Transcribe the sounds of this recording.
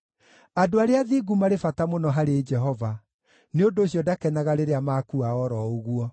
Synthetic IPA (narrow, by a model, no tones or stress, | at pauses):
adoaɾeaðiɡumaɾefatamonɔɦaɾed͡ʒɛɦɔva | neondoːɕjɔdakɛnaɣaɾeɾeamakuaɔɾɔoɣuɔ